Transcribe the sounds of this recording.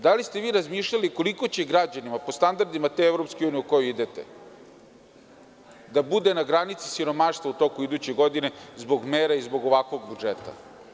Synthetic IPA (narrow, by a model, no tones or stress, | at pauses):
d̪alist̪e̞ʋiːɾazmiːʃʎaliko̞liko̞t͡ɕeɡɾad͡ʑanimapo̞st̪and̪aɾd̪imat̪eevɾo̞pskiuːnijiuko̞juid̪e̞t̪ḛ | d̪abud̪e̞naɡɾanit̪si̥siɾo̞maʃt̪vaut̪o̞kuid̪ut͡ɕe̞ɡo̞d̪ine̞zbo̞ɡmeːɾaizbo̞ɡo̞ʋakʋo̞ɡ̚bud͡ʒet̪a̰